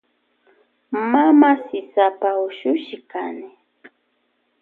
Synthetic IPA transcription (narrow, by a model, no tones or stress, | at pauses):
mamasɪsapaʊʃʊʃɪkanɪ